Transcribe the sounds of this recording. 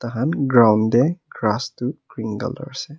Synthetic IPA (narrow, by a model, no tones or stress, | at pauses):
t̪aɦanɡɹawndɛɡɹastukɹiŋɡə̰lɔ̰ɹsɛ